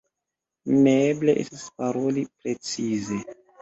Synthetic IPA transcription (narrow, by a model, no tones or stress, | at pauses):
nebleʔḛstispaɾo̞lipɾe̞t͡size̞